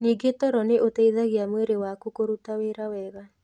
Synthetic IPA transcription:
niːɡetɔɾɔneʔotɛiðaɣiamweɾewakukoɾutaweɾawɛɣa

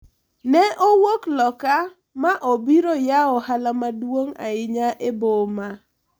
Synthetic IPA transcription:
nɛʔowoklɔka | maʔobiɾojaɔhalamadwoŋa̰ɪɲaʔeboma

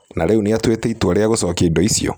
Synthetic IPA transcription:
naɾɛuneatwetɛitwaɾeaɣosɔkeːdɔisiɔ̰

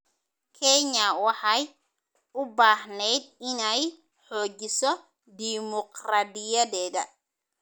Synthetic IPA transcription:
kʰɛɲawɑħaj | ʊbaːhnɛjd̪̚ɪnɛj | ħɔːd͡ʒɪsɔ | d̪imɔqrad̪ijɐdɛːɡɐ

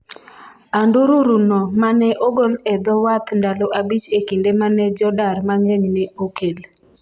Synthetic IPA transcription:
anduɾuɾunɔmanɛʔoɡolɛd̪ɔwat̪ndalɔʔabit͡ʃekindemanɛd͡ʒɔdaɾmaŋeɲnɛokel

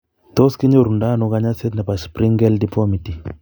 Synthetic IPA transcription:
t̪ɔskiɲoɾundanuɣaɲaset̪napaspɾiŋɡɛldipɔmiti

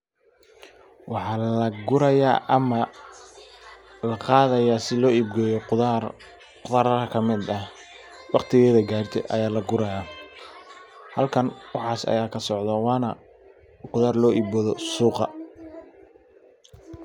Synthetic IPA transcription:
wʔɑħɑːlɐɡʊɾɐjaːʔɐmɐ | lɐqɑːðɐjaːsɪlɔːibɡɔːjɔ | qʊðaːɾɐɾɐkʰɐmɪd̪ɐh | wɑqt̪ʰɪɣɛːðɐɡaːrt̪ʰɛ̰ʔɐ̰jaːlɐɡʊɾɐja | hɐlkʰɐnwɑħɑːsɐ̰jaːkʰɐsɔʕd̪ɐwɑːnɐ | qʊðaːrlɔːʔibɔðɔsuːqɑ

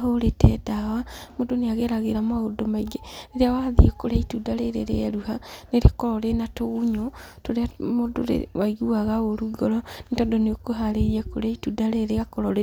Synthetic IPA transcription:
ɦoɾetɛdawamodoneaɣeɾaɣeɾamaɣodomaiɡeneɾeawaðḭɛkoɾeaitudaɾeɾeɾeɛɾuhaneɾekɔɾɔɾenatoɣuɲotoɾeamodo̰ɾḛwaiɣuaɣaoɾuɡɔɾɔnetɔdoneokoɦaɾeɾiako̰ɾeaitudaɾeɾeɣakɔɾɔɾe

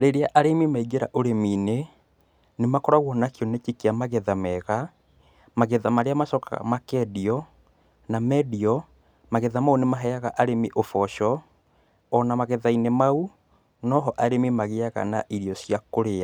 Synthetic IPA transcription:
ɾeɾeaʔaɾemimaiɡeɾa̰ʔoɾemine | nemakɔɾaɣwɔnakiɔnet͡ʃikeamaɣɛðamɛɣa | maɣɛðamaɾeamaʃɔka̰a̰makɛdiɔ | namɛdiɔ | maɣɛðamaunemaɦɛaɣaʔaɾemiʔofɔʃɔː | namaɣɛðainemau | nɔɦɔʔaɾemimaɣeaɣa̰naʔiɾjɔsjakoɾea

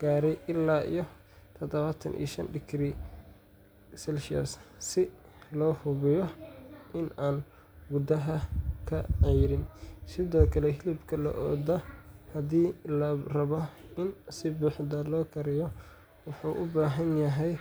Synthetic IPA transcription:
ɡ̥aːɾɛjʔɪlːaːʔḭjɞ | t̪ʰɔd̪ɐβat̪ʰɐ̰nʔḭːʃɐnɖɪkriː | sɛlʃɐ̰ssɪ | lɔːhʊβɪjɔʔɪnaːn | ɡʊd̪ɐɦɐkʰɐʕɛjɾɪnsɪðɔːkʰɐlɛɦɪlɪbkʰɐlɐ̰ʔɔːd̪ɐhɐðiːlɐrɐβɔɪnsɪbuːħd̪ɐlɔːkʰɐɾɪjɔ | wʊħuːʔʊbaːɦɐnjɐɦɛj

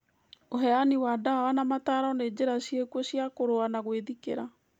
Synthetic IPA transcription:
oɦɛaniwadawanamataɾaɔned͡ʑeɾasjekwɔsjakoɾoanaɣweðikḛɾa

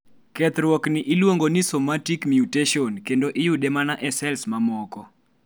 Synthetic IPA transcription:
kɛt̪ɾwɔknɪʔɪlwoŋɡonisomatikmjuteʃɔnkendoʔɪjudɛmanaʔɛsɛlsmamɔkɔ

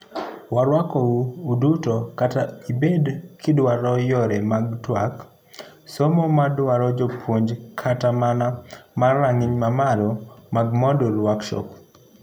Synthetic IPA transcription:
waɾwakɔuːdutokataibedkʰɪdwaɾɔjɔɾɛmaɡtwak | somɔmadwaɾɔd͡ʒopʰwoɲd͡ʒkʰatamanamaraŋɪɲmamalɔmaɡmɔdɔlwakʃɔ̰k

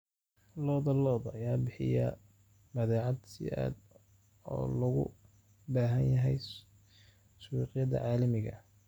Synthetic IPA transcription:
lɔːðɐlɔːðɐjaːbɪħɪ̰jɐ | bɐðɛːʕɑd̪sɪ̰a̰ːd̪ | ɔːlɐɣʊ̰ | baːɦɐnjɐɦɛj | swiːqɪjɐðɐ̰ʕɑːlɐmɪɣɐ

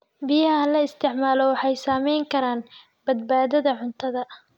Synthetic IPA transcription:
bɪjɐɦɐɐlɐɪst̪ʰɪʕmaːlɔwɑħɑjsaːmɛjŋkʰɐɾaːn | b̥ɐd̪̚baːðɐðɐʕʊnt̪ʰɐðɐ

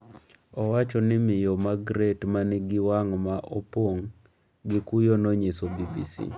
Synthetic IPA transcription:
ɔwat͡ʃɔnɪmɪjomaɡɾetmanɪɡɪwaŋmaʔopwoŋ | ɡɪkujonɔɲesobibisḭ

